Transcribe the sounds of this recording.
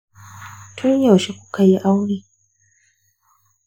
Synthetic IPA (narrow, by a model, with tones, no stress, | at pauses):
tʰʊ˦ɲja˨ʃi˦kʷu̥˦ka˨ji˦ʔa˦wniː˦